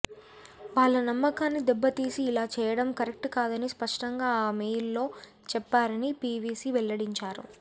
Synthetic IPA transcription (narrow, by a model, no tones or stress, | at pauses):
ʋaːɭːɐnɐmːɐkaːnːid̪ɛbːɐt̪iːsiːlaːt͡ʃɛːjɐɽɐmkɐɾek̚ʈkaːd̪ɐnispɐʂʈɐŋɡaːaːmeːjlːo̞ː | t͡ʃɛpːaːɾɐnipiːʋiːsiʋɛlːɐɽiɲt͡ʃaːɾṵ